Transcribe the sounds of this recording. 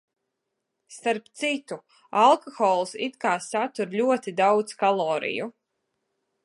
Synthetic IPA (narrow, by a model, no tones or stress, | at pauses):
st̪aɾpt̪sit̪u | alˠkɔxɔːlˠsit̪kaːsat̪uɾlʲuɔt̪id̪awd̪skalˠɔːɾḭjṵ